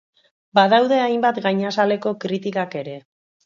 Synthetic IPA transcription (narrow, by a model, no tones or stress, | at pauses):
baðawð̞e̞ajmbat̪ɡajɲasale̞ko̞kɾit̪ikake̞ɾe̞